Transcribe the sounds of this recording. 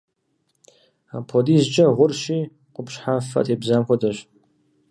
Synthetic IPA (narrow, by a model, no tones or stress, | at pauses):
aːpʰodiːzt͡ʃʼɐʁʷʊrʃiː | qʷʊpʃħafɐ̰tʼeːbzaːmxʷʰɔdɐɕ